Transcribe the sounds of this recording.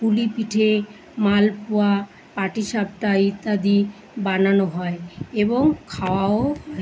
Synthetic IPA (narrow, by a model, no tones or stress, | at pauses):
pulipiʈʰe | malpoa | paʈiʃab̚ʈait̪ad̪i | bananoɦɔeeboŋkʰaoao